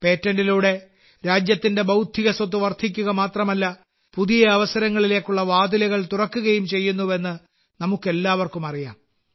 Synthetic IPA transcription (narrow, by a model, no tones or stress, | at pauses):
pe̞ːtːɐndɖiluːɽe̞ | ɾaːd͡ʑjɐt̪ːinde̞bɐwd̪ʱiɣɐsɐt̪ːuʋɐrt̪ʰikʲːuɣɐmaːt̪rɐmɐlːɐ | puðijɐɐʋɐsɐɾɐŋːɐɭile̞ːkːuɭːɐʋaːd̪ilɐɣɐɭt̪urɐkːuɣɐjumt͡ɕe̞jːunːuʋe̞nːɨ | nɐmukːe̞lːaːʋɐrkumɐrija̰ːm